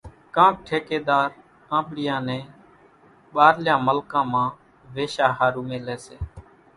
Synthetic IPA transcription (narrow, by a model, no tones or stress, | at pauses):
kãːk̚ʈʰeːkeːd̪aːɾ | ãːɓɽɪjãːnẽː | ɓaːɾljãːməlkãːmãː | ʋeːʃaːɦaːɾuːmeːleːseː